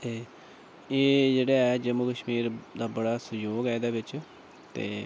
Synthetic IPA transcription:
t̪eː | eːd͡ʒeːɽeːɛːd͡ʒəmukəʃmiːɾd̪aːbəɽaːsʊjoːɡaːd̪aːbɪt͡ʃ | t̪ḛː

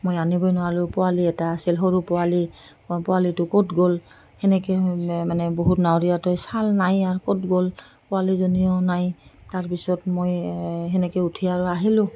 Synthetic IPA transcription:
mojanibɔjnʊwalʊpɔwaliɛtaːsilɦoɹupɔali | pɔwalitʊkotɡol | hɛnɛkɛmanɛboɦutnawɹijatɔjsalnajaɹkotɡol | pʊwalizonijɔnajtaɹpisɔtmojɦɛnɛkɛutʰijaɹʊaɦilʊ̃

